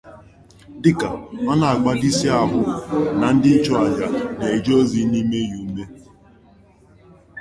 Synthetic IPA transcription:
dɪ˦ka˨ɔ˦na˨a˨k͡pa˦di˦si˦a˨ɦʊ˦na˨n̩˦dɪ˦t͡ʃɔ˦a˨ɲa˨ne˨e˨d͡ʒo˦zi˦ni˦me˦ju˨m̩˦me˦

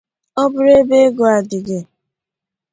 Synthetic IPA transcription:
ɔ˦bʊ˦ɾe˦be˦ɡo˨a˨dɪ˨ɡe˨

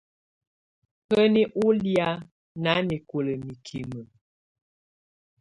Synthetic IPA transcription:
hə˦ni˦ʔu˦lja˦ | na˨˦mi˨ko˨lə˨mi˨kʰi˨mə˨

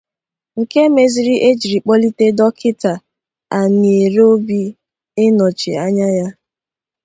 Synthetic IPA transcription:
ŋ̩˨ke˦me˨zi˦ɾi˦ʔe˦d͡ʒi˨ɾi˨k͡pɔ˦li˦te˦dɔ˦kʰɪ˦ta˨ | a˨ni˨e˨ɾo˦bi˦ | ɪ˦nɔ˨t͡ʃḭ˨a˦ɲa˦ja˦

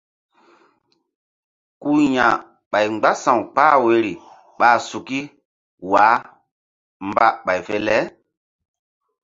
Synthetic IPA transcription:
ku˦jã˨ | ɓa˨jŋ͡mɡ͡ba˦sã˨wk͡paː˦we˨˦ɾi˨ | ɓa˦˨su˨ki˦ | wa˨˦ | mba˦ɓa˨jfe˦lɛ˦

